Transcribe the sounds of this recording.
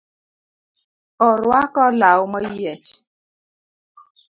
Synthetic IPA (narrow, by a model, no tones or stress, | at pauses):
ɔɾwakɔlawmɔijɛt͡ʃ